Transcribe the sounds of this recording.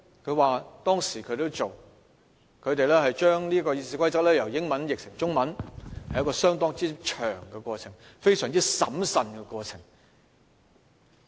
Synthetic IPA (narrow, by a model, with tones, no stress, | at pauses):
kʰɵ˧ɥwaː˨t̪ɔː˥ŋsiː˨˩kʰɵ˨˧ɥt̪o˥wt͡so˨w | kʰɵ˨˧ɥt̪̬e˨jlɛː˥hɐ˨jt͡ʃœː˥ŋliː˥kɔː˧jiː˧siː˨˥kʷʰɐ˥jt͡sɐ˥k̚lɛː˥jɐ˨˩wjɪ˨˥ŋmɐ˨˥njɪ˨k̚sɪ˨˩ŋt͡ʃʊ˥ŋmɐ˨˥nhɐ˨jɐ˥kɔː˧sœː˥ŋt̪̬ɔː˥ŋt͡siː˥t͡ʃʰœː˨˩ŋkɛ˧kʷɔː˧t͡sʰɪ˨˩ŋfe˥jsœː˨˩ŋt͡siː˥sɐ˨˥msɐ˨nkɛ˧kʷɔː˧t͡sʰɪ˨˩ŋ